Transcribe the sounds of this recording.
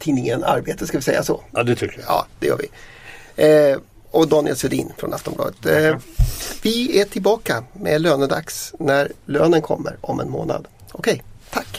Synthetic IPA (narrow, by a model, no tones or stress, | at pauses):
t̪ʰiːnɪŋəna̰ɾbeːt̪əskalvɪsɛjːasɔd̪ɛɑ̰ːd̪̥ɛjœ̰ːvɪ | ɔd̪ɑːnɪɛlsɵd̪ḭːnfɾɔ̰nʔaft̪ɔmblɑ̰ːd̪ət̪ | vɪæʈʰɪlbɑːkamɛløːnəd̪aksnæɾløːnənkʰɔmːəɾɔmɛnmoːna̰d̪ | ɔkʰɛjt̪ʰakː